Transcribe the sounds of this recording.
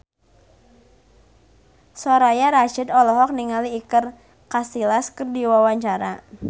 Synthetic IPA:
sɔɾajaɾaʃid̪ɔlɔɦɔk̚niŋaliːkər | kasilaskərdiwawaɲt͡ʃaɾa

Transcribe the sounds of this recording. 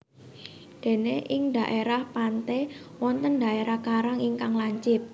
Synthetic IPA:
d̪̥e̤neʔɪŋd̪ä̤ʔeɾahpant̪ewɔnt̪ənd̪ä̤ʔeɾahkaɾaŋiŋkaŋlaɲt͡ʃɪt̪̚

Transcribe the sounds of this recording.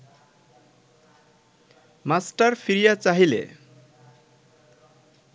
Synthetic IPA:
masʈʌrpʰiɾijat͡saɦilḛ

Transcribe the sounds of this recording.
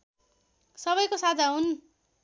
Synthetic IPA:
sʌβʌjkosad͡zʱaɦun

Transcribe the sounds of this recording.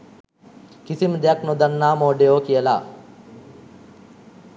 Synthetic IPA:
kisiməd̪ejaknod̪anːaːmoːɖejoːkijəla̰ː

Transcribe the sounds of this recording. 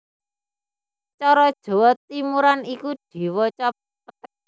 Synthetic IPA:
t͡ʃɔɾɔd̥ʒ̥o̤wɔt̪imuɾanikud̥i̤wɔt͡ʃɔp̚pət̪̚

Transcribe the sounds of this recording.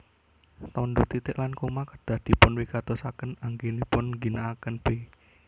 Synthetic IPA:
t̪ɔnd̪ot̪it̪ɪʔlankomakəd̪̥a̤hd̪̥i̤pʊnwiɡ̥at̪osakənaŋɡinipʊnɡinaːkənb̥e

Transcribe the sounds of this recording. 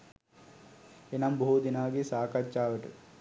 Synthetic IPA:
enɐmbɐɦud̪inaːɡisaːkɐt͡ʃːaːʋɐʈ

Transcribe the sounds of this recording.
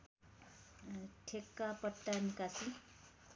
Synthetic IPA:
ʈʰekːapʌʈːanikasi

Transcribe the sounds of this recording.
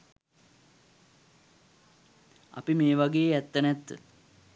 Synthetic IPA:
a̰pimeːʋaɡeːɛt̪ːənæt̪ːə

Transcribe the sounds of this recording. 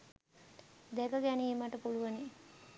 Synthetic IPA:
d̪ɛkəɡæniːməʈəpuluʋəni

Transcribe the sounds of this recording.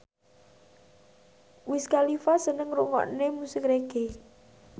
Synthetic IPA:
wɪskalifasənəŋɾuʔŋɔ̰ʔnemusɪkɾeɡ̥e

